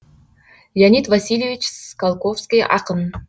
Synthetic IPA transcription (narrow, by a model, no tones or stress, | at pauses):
jʲanʲit̪vasʲilʲjevʲit͡ɕskalˠkofskʲijʔɑ̰qən